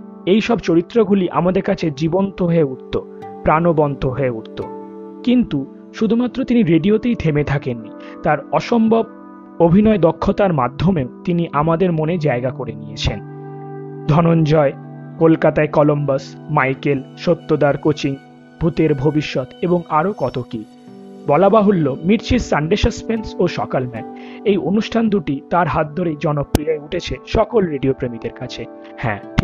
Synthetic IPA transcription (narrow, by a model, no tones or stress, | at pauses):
ejʃɔbt͡ɕoɾit̪ːɾoɡʱuliʔa̰mad̪eɾkat͡ɕʰed͡ʑibont̪oɦoeuʈt̪o | pɾanobɔnt̪ʰoɦoeuʈt̪o | kint̪u | ʃud̪ʱumat̪ːɾot̪iniɾeɖiot̪ejt̪ʰemet̪ʰakenːi | t̪aɾɔʃombʱob | obʱinɔed̪ɔkʰːot̪aɾmad̪ʱːomeot̪iniʔamad̪eɾmoned͡ʑaeɡakoɾenijet͡ɕʰen | d̪ʱɔnond͡ʑɔekolkat̪aekɔlombasmajkelʃot̪ːod̪aɾkot͡ɕiŋ | b̥ʱut̪eɾbʱobiʃːot̪eboŋaɾokɔt̪oki | bɔlabaɦolːomiɾt͡ɕisaɳɖeʃaspensoʃɔkalmɛpejʔonuʃʈʰand̪uʈit̪aɾɦat̪̚d̪ʱoɾed͡ʑɔnopːɾiaeuʈʰet͡ɕʰeʃɔkolɾeɖiopɾemid̪eɾkat͡ɕʰe | hɛ̰̃ʈʰ